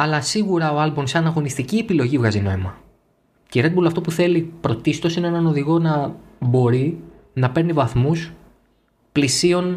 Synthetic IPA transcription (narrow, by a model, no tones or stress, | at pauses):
ɐlɐsiɣuɾɐoɐlbo̞msɐnɐɣo̞nist̪iciepilo̞ʝivɣɐzino̞emɐ | ceɾe̞d̪bulɐft̪o̞puθe̞lipɾo̞t̪ist̪o̞sineenɐno̞ðiɣo̞nɐbo̞ɾi | nɐpe̞ɾnivɐθmus | plisio̞n